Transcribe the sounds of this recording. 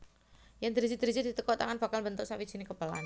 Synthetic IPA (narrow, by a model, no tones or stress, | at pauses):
jaŋd̪əɾid͡ʒid̪əɾid͡ʒid̥̪i̤t̪əkɔt̪aŋanb̥akalbənt̪ʊksawid̥d͡ʒ̥i̤nikəpəlan